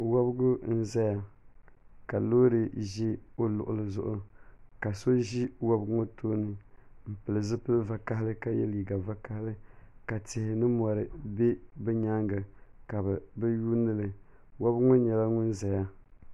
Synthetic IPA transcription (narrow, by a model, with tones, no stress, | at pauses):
wɔ˦bɡʊ˦n̩˦za˦ja˦ | ka˨loː˦ɾɨ˨ʒi˦o˦lʊ˨ʔʊ̰˨lɨ˨zʊ˦ʔʊ˦ka˨so˦ʒi˦wɔ˦bŋo˦toː˦nɨ˨m̩˨pɨ˨lɨ˨zɨ˦pɨ˦lɨ˦va˨ka˦ɦɪ˦lɨ˦ka˦jɛ˦liː˨ɡa˨va˦ka˦hɪ˦lɨ˦ka˨tɪ˨hɪ˨nɨ˦mɔ˨ɾɨ˨be˦bɛ˦ɲa˦ŋɡɨ˨ka˨bɨ˨bɨ˦ju˦nɨ˦lɨ˨ | wɔ˦bŋɔ˦ɲɛ˨la˦ŋʊ˦nza˨ja˦